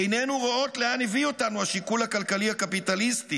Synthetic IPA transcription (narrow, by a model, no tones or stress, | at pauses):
enenuʁoo̞tleanevio̞tanuhaʃikulhakalkalihakapitalisti